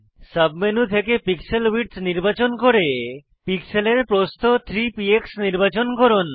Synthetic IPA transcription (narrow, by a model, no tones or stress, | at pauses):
səbmenut̪ʰekepikselwiʈsniɾbat͡ɕonkoɾe | pikseleɾpɾost̪ʰot̪ʰɾipieksniɾbat͡ɕonkoɾon